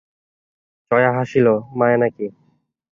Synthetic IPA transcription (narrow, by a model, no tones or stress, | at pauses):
t͡ɕɔjaɦaʃilomaenaki